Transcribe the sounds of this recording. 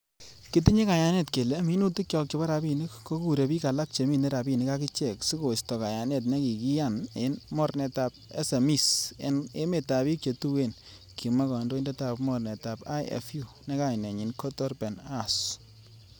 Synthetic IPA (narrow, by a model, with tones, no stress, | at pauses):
ki˦ti˦ɲi˦ka˨ja˦ne˦˨tke˨le˨˦mi˦nu˦ti˦kt͡ʃɔ˦k̚t͡ʃɔ˦ba˦ɾa˨bi˦˨ni˦kːo˦ku˨ɾe˨pi˦ka˨la˦k̚t͡ʃe˨mi˦ne˦ɾa˨bi˦˨nɪ˦ka˦ki˦t͡ʃɛ˨ksi˦ko˨stɔ˨ka˨ja˨ne˨t̬ne˦ki˨ki˦ja˦˨ne˨˦nmɔ˦ɾnɛ˨ta˨p̚ɛ̰˦se˨mi˦sḛ˨ne˦me˨ta˨bi˦k̚t͡ʃe˨tu˦we˦˨n | kʰi˨ma˦kɔ˨ndo˦i˦ndɛ˦ta˨pmɔ˦˨rnɛ˨ta˨ba̰˦jɛ̰˨fju˨ | ne˦ka˦ɪ˨ne˨ɲi˨nkɔ˦tɔ˦ɾbɛ˨na˦s